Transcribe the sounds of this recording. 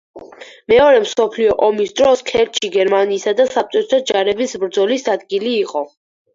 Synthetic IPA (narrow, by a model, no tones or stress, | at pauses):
mɛɔɾɛmsɔpʰliɔʔɔmisd̪ɾɔskʰɛɾt̪ʃʰiɡɛɾmaniːsad̪asap̪̚t͡ʃ̪ʼɔt̪ʰɛt̪ʰɔd͡ʒaɾɛbisbɾd̪zɔlisad̪ɡiliːqʼɔ